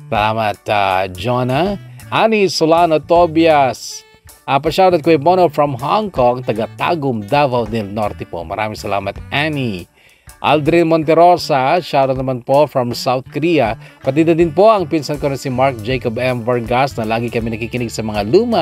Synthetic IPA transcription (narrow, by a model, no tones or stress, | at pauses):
sɐlaːmɐt̪a̰d͡ʒonɐʔanisolanot̪objɐs | ʔɐpɐʃaːd̪od̪̚kojbonofɹɐmɦoŋkoŋt̪ɐɡɐt̪a̰ːɡʊmd̪aːvɐwnɛlnoɾt̪ɛpo̰mɐ̰ɾa̰ːmɪŋsɐla̰ːmɐt̪ʔani | ʔa̰ld̪ɾɛnmont̪̬ɛɾo̞sɐʃaːd̪onɐmanpo̞fɹɐmsawt̪̚koɾijɐpɐt̪̬iːd̪ɐd̪ɪnpo̞ʔɐŋpinsɐnkonɐsimaɹk̚d͡ʒɛjkobɛmvɐɹɡasnɐlaːɡikɐmɛnɐkikɪnɪɡsɐmɐŋaluːma